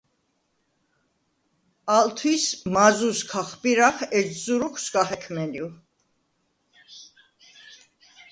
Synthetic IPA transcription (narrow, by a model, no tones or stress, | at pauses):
alt̪ʰwismazuskʰaχbiɾaχɛszuɾuχsɡahɛkʰmɛlju